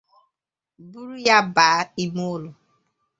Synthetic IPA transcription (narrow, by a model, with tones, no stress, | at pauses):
bu˦ɾu˦ja˦baː˨˦i˦mo˦lʊ˨